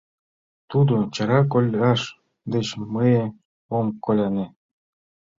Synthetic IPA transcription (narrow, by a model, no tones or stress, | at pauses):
t̪ud̪ot͡ɕɑɾɑk̬olʲɑʃ | d̪et͡ɕməje | omkolʲɑne